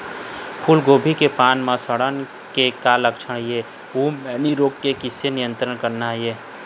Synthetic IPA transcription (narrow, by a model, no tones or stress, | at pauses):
pʰulɡoːbʱikepaːnmãsəɽən | kekaləkʃʰəɽije | uːmmɛːniɾoːkːekɪsenɪjə̃nt̪ɾəɳkəɾnaɦeː